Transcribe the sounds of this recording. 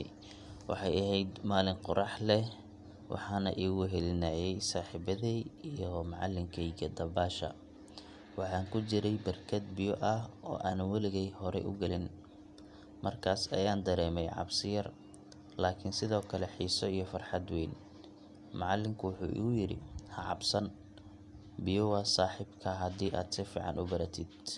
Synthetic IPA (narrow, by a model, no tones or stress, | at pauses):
wɑ̰ħɑjɐɦɛjd̪maːlɪŋqʊɾʔɑħlɛ | wʔɑ̰ħɑːnɐʔiːɣʊɦɛlɪnaːjɛjsaːħiːbɐðiijɔmɑʕɑlːɪŋkʰɛjɡɐd̪ɐbaːʃɐ̰ | wɑħɑːŋkʰʊt͡ʃɪɾɛjbɐrkʰɐd̪̚bɪjɔʔɐhɔ̰ːʔaːnwɐlɪɣɛjhɔɾɛ̰ʔʊ̰ɡɐlɪn | mɐrkʰaːsɐjaːnd̪ɐɾɛːmɛjʕɑ̰bsɪjɐr | laːkʰɪnsɪðɔːkʰɐlɛħiːsɔijɞfɐrħɑd̪wɛːn | mɑʕɑlːɪŋkʰʊwʊħṵːʔɣʊjɪɾɪ̰hɐʕɑbsɐn | bɪjɔwɑːsaːħɪbkʰɐɦɐd̪iːʔaːd̪sɪfḭːʕɑ̰nʔʊbɐɾɐt̪ʰɪd̪̚